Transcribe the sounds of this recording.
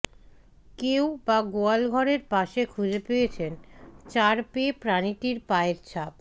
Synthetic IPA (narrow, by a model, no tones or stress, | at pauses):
kewbaɡoalɡʱɔɾeɾpaʃekʰud͡ʑepejet͡ɕʰent͡ɕaɾpepɾaniʈiɾpaeɾt͡ɕʰab̚